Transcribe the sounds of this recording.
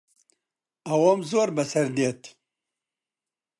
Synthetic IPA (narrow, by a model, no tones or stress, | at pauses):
ɐwomzoːɾbɐsɐɾd̪et̪